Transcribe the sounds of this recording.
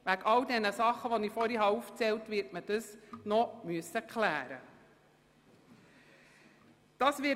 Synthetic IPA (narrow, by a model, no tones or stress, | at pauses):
ʋækɑldɛnəsɑχːəʋɔnifɔɾiɦɑuːft͡sɛltʋɪɾtməd̥əsnɔmyəsːəkχlæːɾə̰ | d̥ɑːsʋɪ